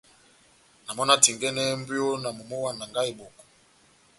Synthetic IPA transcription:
na˨mɔ˦na˦ti˨ŋɡɛ˦nɛ˦m˦bjo˦na˨mo˨mo˦wa˨na˨ŋɡa˦i˨bo˨kɔ̥˨

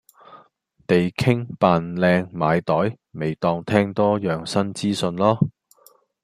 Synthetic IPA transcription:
t̪e˨jkʰɪ˥ŋpaː˨nlɛː˧ŋmaː˨˧jt̪ɔː˨˥j | me˨jt̪ɔː˧ŋt̪ʰɛː˥ŋt̪ɔː˥jœː˨ŋsɐ˥nt͡siː˥sɵ˧nlɔː˥

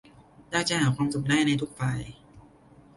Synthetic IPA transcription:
daː˥˩t͡ɕa˨˩haː˩˦kʰwaː˧msu˨˩k̚daː˥˩jna˧jt̪ʰu˦˥k̚faː˧j

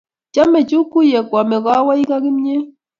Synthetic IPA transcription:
t͡ʃa˦mɛ˨t͡ʃu˦ku˦jɛ˨kwa˨mɛ˨ɣa˦wa˦i˦ka˦ɡi˦m˦ɲe˦

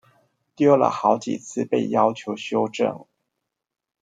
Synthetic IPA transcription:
t̪jɔ˥ʊlə̰˨˩xɑ˧˥ʊt͡ɕḭ˨˩t͡sʰɹ̩˥˧pe˥˩ɪjɑ˥ʊt͡ɕʰjo˧˥ʊɕjo˥ʊʈ͡ʂɤ̰˥˩ŋ

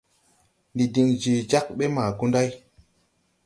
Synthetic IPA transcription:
ndi˨di˨ŋd͡ʒi˨d͡ʒa˦k̚ɓe˦maː˨ku˦nda˦j

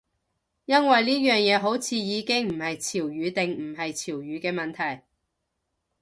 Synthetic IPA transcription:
jɐ˥nwɐ˨jliː˥jœː˨ŋjɛː˨˧ɦo˨˥wt͡sʰiː˨˧jiː˨˧kɪ˥ŋm̩˨˩hɐ˨jt͡sʰiː˨˩wjyː˨˧t̪ɪ˨ŋm̩˨˩ɦɐ˨jt͡sʰiː˨˩wjyː˨˧kɛː˧mɐ˨nt̪ʰɐ˨˩j

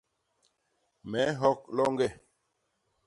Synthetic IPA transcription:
mɛ˨˦ɦɔ˦k̚lɔ˦ŋɡɛ˦˨

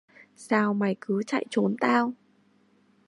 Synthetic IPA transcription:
saː˧wma˨˩jkɨ˨˦t͡ɕa̰˧˨jt͡ɕo˨˦nt̪aː˧w

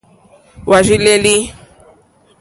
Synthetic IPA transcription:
wa˨ʒi˦le˦li˦

